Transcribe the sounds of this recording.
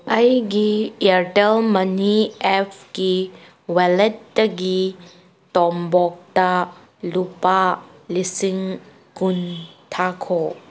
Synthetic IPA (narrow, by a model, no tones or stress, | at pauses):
ʔɐjɡiɛɾtɛlmɐniɛpʰki | wɛlɛtːɐɡi | tɔmbɔk̚ta | lupalisiŋ | kuntʰakʰɔ